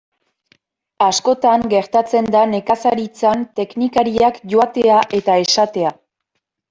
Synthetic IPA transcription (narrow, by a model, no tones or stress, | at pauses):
asko̞t̪aŋɡe̞ɾt̪at͡se̞nd̪ane̞kasaɾit͡sant̪e̞knikaɾiakʝo̞at̪e̞aʔe̞t̪ae̞sat̪e̞a